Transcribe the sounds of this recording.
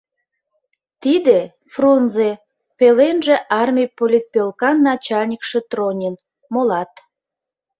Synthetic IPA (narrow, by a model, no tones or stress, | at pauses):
t̪id̪e | frunze | pelenʒĕʔɑrmʲijpolʲit̪̚pølkɑnːɑt͡ɕɑlʲnʲikʃet̪ronʲin | molɑt̪